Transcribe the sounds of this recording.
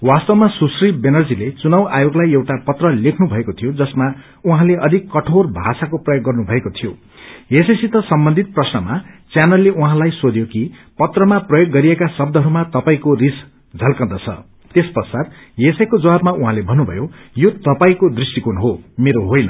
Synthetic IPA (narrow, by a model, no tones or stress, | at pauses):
wast̪ʌwmasusribenʌrd͡zilet͡sunʌwʔajoɡlajewʈapʌt̪rʌlekʰnubʱʌekot̪ʰijod͡zʌsma | uɦãleʔʌd̪ʱikːʌʈʰorbʱa̰sakoprʌjoɡːʌrnubʱʌekot̪ʰijo | jesesit̪ʌsʌmbʌnd̪ʱit̪̚prʌsnʌmat͡sjanʌlːeʔuɦãlajsod̪jokipʌt̪rʌmaprʌjoɡːʌɾiekasʌb̚d̪ʱʌɦʌɾumat̪ʌpaĩkoris | d͡zʱʌlkʌnd̪ʌt͡sʰʌ̰ | t̪espʌrsad̪ | jesʌjkod͡zʌwabmauɦãlebʱʌnːubʱʌ̰jojot̪ʌpaĩkod̪risʈikunɦomeɾoɦojnʌ̰